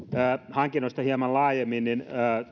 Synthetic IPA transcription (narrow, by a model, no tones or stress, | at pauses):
əːhɑŋkinost̪ɑhiɑmɑllɑːjemːinninəː